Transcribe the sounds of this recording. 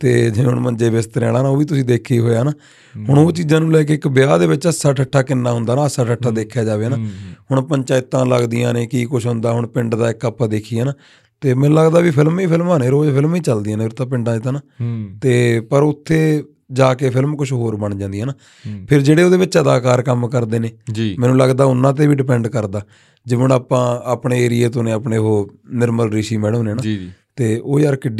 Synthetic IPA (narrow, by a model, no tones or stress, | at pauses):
t̪eːd͡ʒɪẽːʊɳmənd͡ʒeːbɪst̪əɾɛ̰ːɽaːnaːoːʋiːt̪̬ʊsĩːd̪eːkʰːeːɦoːjaːnaː | ɦʊɳoːt͡ʃiːzãːnũːlɛːk̬eːɪkbɪjaːd̪eːʋɪt͡ʃəsːaːʈʰəʈʰːaːkɪnːaːɦʊ̃nd̪aːnaːəsaːʈʰəʈʰːaːd̪eːkʰːjaːd͡ʒaːʋeːnaːhʊɳpəɲt͡ʃaːɪt̪ːãːlə̰ɡd̪ɪjã̰ːneːkiːkʊʃʰɦʊ̃nd̪aːɦʊɳpɪɳɖd̪aːɪkaːpːaːd̪eːkʰiːaːnaː | t̪eːmɛ̃ːləɡd̪aːʋiːpʰɪlmiːpʰɪlmaːneːɾoːd͡ʒpʰɪlmiːt͡ʃəld̪iãːneːɾʊt̪ːãːp̬ɪ̃ɳɖãːd͡ʒɪt̪aːnaːt̪eːpəɾʊt̪ʰːeː | d͡ʒaːkeːpʰɪlmkʊt͡ʃʰɦoːɾbəɳd͡ʒãːnd̪ijãːnaː | pʰɪɾd͡ʒeːɽeːoːd̪eːʋɪt͡ʃəd̪aːkaːɾkəmkəɾd̪eːneːd͡ʒimɛ̃ːnũːləɡd̪aːʊnːãːt̪̬eːʋiːɖɪpɛ̃ːɳɖkəɾd̪aː | d͡ʒɪʋəɳaːpãːaːpɳeːeːɾɪjeːt̪̬õːnẽːapɳeːɦoːnɪɾməlɾiːʃiːmɛːɽõːneːnãːt̪eːoːjaːɾkɪɖ